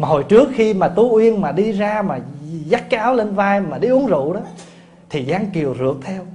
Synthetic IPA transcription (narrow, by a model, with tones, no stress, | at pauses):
maː˨˩ho˨˩jt͡ɕɨ˦˥ək̚xi˧maː˨˩t̪u˨˦ʔwi˧ənmaː˨˩ɗi˧zaː˧maː˨˩za˦˥t̚kaː˨˦wle˧nvaː˧jmaː˨˩ɗi˧ʔu˨˦əŋzṵ˧˨ɗɔː˨˦ | t̪ʰi˨˩zaː˨˧ŋki˨˩əwzɨ̰˨˩ək̚t̪ʰɛ˧w